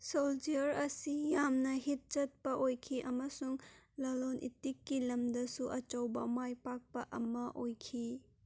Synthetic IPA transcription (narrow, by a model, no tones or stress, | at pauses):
sold͡ʒiɐɾɐsijamnɐɦit̚t͡ʃɐt̚pɐʔojkʰiʔɐmɐsuŋlɐlonʔḭtikːilɐmdɐsuʔɐt͡ʃɐwbɐmajpak̚pɐʔɐ̰mɐʔojkʰi